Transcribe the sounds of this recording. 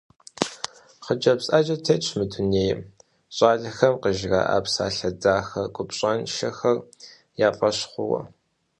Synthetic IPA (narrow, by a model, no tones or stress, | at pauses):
χəd͡ʒɐpsʼaːd͡ʒʼɐtʰeːɕʰmɨtʰʊneːj | ɕʼaːɮɐxɐmqəʒɣa̰ːʔa̰ːpsa̰ːɬɐd͡zaːxɐkʷʼʊpɕʼɐnʃɐxɐr | jaːpʼɐɕχʷʊwɐ̰